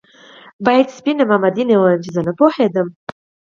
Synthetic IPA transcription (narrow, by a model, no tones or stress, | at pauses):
bajt̪spinɨmamad̪inewanmt͡ʃʰizanapʰoħed̪əm